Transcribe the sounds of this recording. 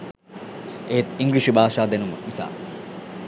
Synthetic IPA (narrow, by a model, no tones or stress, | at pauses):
eːt̪iŋɡliʃibʱaːʂaːd̪enumənisa̰ː